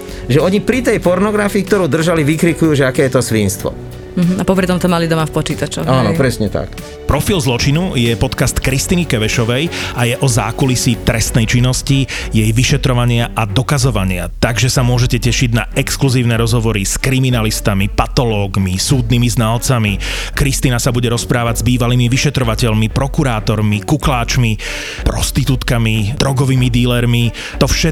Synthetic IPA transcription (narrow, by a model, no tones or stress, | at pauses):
ʒɛɔɲipɾit̪ɛjpɔɾnɔɡɾafiːk̚t̪ɔɾuːd̪r̩ʒaliʋikɾikujuːʒɛakɛːjɛt̪ɔsʋinst̪ʋɔ̰ | m̩ɦ̩apɔpɾit̪ɔmt̪ɔmalid̪ɔmafpɔt͡ʃiːt̪at͡ʃɔanɔ̰pɾɛsɲɛt̪a̰k | pɾɔfilzlɔt͡ʃinujɛpɔt̪kast̪kɾist̪inikɛʋɛʃɔʋɛjajɛʔɔza̰ːkulisit̪ɾɛst̪nɛjt͡ʃinːɔscijɛjʋiʃɛt̪ɾɔʋaɲɪaʔad̪ɔkazɔʋaɲɪa̰t̪aɡʒɛsamʊɔʒɛcɛcɛʃiɟnaɛkskluziːʊnɛɾɔzɦɔʋɔɾiskɾiminalist̪amipat̪ɔlɔːɡmisuːd̪̚niːmiznaːlt͡sami | kɾist̪iːnasabuɟɛɾɔspɾaːʋaɟzbiːʋaliːmiʋiʃɛt̪ɾɔʋacɛʎmipɾɔkuɾaːt̪ɔɾmikuklaːt͡ʃmi | pɾɔst̪it̪ut̪kamid̪ɾɔɡɔʋiːmid̪iːlɛɾmi | t̪ɔfʃɛ